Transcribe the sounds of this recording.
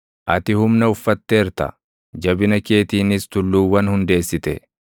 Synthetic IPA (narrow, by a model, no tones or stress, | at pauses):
ʔɐt̪ɪhʊmnɐʊfːɐt̪ːeːɾt̪ɐ̰ | d͡ʒɐbɪnɐke̞ːt̪iːnɪst̪ʊlːuːwːɐnhʊnd̪e̞ːsːɪt̪ɛ̰